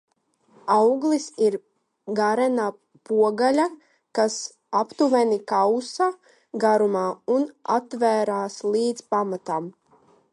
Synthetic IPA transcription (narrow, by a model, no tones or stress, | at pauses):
awɡlˠisiɾ | ɡaɾɛna | puɔɡalʲa | kas | apt̪uvɛnikawsa | ɡaɾumaːunat̪væːɾaːsliːd̪zpamat̪am